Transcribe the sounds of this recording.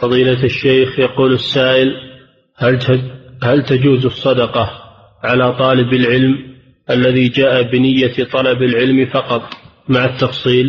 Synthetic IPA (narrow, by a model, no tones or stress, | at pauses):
fɑðˤiːlaaʃːejxjɑquːlasːaːʔɪl | halt̪ad͡ʒuːzɑsˤːɑd̪ɑqɑ | ʕalat̪ˤɑːlɪbalʕɪlm | ʔalːaðid͡ʒaːʔabɪnɪjːat̪ˤɑlɑbalʕɪlmfɑqɑt̪ˤ | maʕat̪ːɑfsˤiːl